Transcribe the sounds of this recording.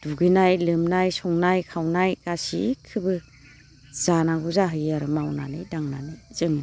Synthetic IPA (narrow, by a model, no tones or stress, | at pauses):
d̥uɡɯnajlɯmnajsɔŋnajkʰawnajɡ̥asḭkʰɯbɯ | z̥anaɡuzaɦɯjaɾɯmawna̰nɯjdaŋna̰nɯjz̥ɯŋni